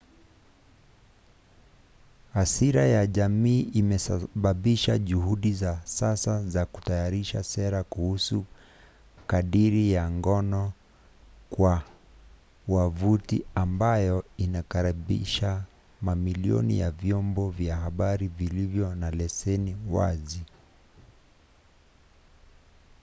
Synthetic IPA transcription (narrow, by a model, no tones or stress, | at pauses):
hasiɾajaʄamiːʔimɛsaɓaɓiʃaʄuhuɗizasasazaku̥tajaɾiʃasɛɾakuhusu | kaɗiɾijaŋɡɔnɔ | kwa | wavutḭambajɔinakaɾiɓḭʃa | mamiliɔ̰nḭjavjɔmbɔvjaɦaɓaɾivilivjɔnalɛsɛniwa̰zi